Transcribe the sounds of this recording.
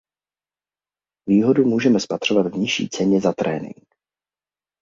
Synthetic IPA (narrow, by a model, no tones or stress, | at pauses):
viːɦo̞dumuːʒɛmɛspat̪r̥ovad̪vɲɪʃḭːt͡sɛɲɛzat̪ɾɛːnɪ̰ŋk